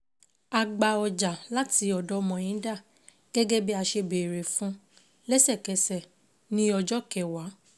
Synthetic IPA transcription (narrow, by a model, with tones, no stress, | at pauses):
a˧ɡ͡ba˧ɔ˧d͡ʒa˨la˦ti˨˦ɔ˧dɔ˦mɔ̃˨ĩ˨˦da˦˨ | ɡ̥ɛ˦ɡɛ˦bi˦a˧ʃe˧be˨ɾe˨fũ˦ | lɛ˦sɛ˦˨kɛ˨˧sɛ˨ | nĩ˦ɔ˧d͡ʒɔ˦kɛ˨wa˨˦